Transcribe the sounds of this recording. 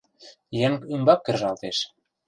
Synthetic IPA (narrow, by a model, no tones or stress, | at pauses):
jeŋkymbɑkːĕrʒɑlt̪eʃ